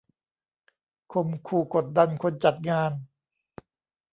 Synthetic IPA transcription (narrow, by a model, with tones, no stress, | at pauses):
kʰo˧mkʰuː˧˩ko˨˩t̪̚da˧nkʰo˧nt͡ɕa˨˩t̪̚ŋaː˧n